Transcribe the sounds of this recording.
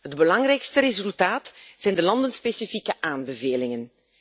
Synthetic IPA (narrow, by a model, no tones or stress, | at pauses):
ɦədbəlɑŋrɛjkstəɾezylˠtaːtz̥ɛjndəlɑndənspeːsifikəʔaːnbəveːlɪŋən